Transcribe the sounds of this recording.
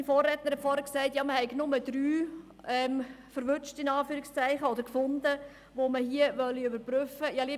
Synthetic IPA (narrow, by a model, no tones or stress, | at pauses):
nfoːrɛtnəɾhɛtfɔːɾəksæɪtjɑːməhɛɪɡnʊmədɾyː | ɛmfəɾʋʏt͡ʃtɪnɑːfyːɾɪkst͡sæɪχəodəɾkfʊndə | ʋoməhiəʋœlːiøbəɾpɾʏfəjɑːli